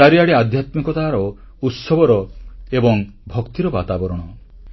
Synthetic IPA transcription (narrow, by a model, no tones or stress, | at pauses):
aɾiaɽead̪ʱjat̪mikɔt̪aɦːɾɔ | ut̪sɔbɔɾɔebɔŋbʱɔkt̪iɾɔbat̪abɔɾɔɽ̃ɔ